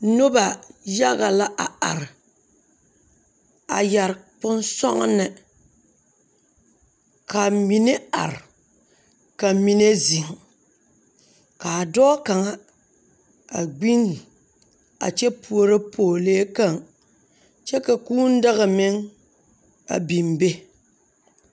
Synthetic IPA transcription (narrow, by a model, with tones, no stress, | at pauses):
no˦ba˨ja˦ɣa˨la˦ʔa˨a̰˨ɾɪ˨ | a̰˨ja˨ɾpʊ˦nsɔ̰˦ŋ̰˦nɨ˨ | ka˨mi˨ne˦a̰˨ɾɪ˨ | ka˨mi˦ne˦zi˨ŋ˨ | ka˨dɔ˦ka˨ŋa˦ | a˨ɡ͡bi˦n˨ | a̰˨t͡ʃɛ˦pʰu˨o˦ɾɨ˦pʰoː˨leː˦ka˦˨ŋ | t͡ʃɛ˦ka˨kuː˦n̩˦da˦ɣa˨mɪ˦ŋ | a̰˨bi˨mbe˦